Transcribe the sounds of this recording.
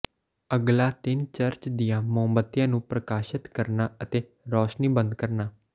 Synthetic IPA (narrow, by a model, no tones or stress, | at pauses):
əɡlaːt̪ɪnt͡ʃəɾt͡ʃd̪ɪjãːmõːmbət̪ːjãːnũːpɾəkaːʃɪt̪kəɾnaːət̪eː | ɾɔːʃniːbə̃nd̪kəɾnaː